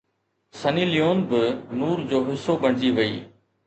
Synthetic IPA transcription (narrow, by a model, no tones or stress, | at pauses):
sɐnilijoːnbɪnuːɾd͡ʑoːɦɪsobɐɽ̤̃ɪd͡ʑiʋɐḭː